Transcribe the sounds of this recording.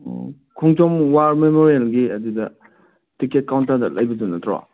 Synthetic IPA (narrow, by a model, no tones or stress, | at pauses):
kʰɔŋt͡ʃɔmwaɾmemoɾielɡiɐdidɐ | tiket̚kaw̃ntːadɐlʔɐjbɐdunɐtɾɔ̰